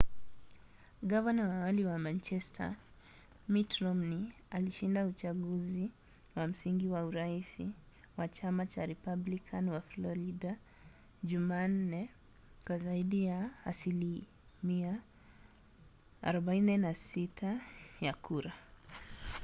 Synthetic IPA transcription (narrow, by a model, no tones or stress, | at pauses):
ɡavanawawaliwamant͡ʃɛstʰa̰ | mitɾɔmni | aliʃindaut͡ʃaɡuzi | wam̩siŋɡiwauɾaisi | wat͡ʃamat͡ʃaɾɛpablikʰanwaflɔɾida | ʄuman̩nɛ | kwazaiɗijaasili | mia | a̰ɾɔɓainɛnasitʰajakʰuɾa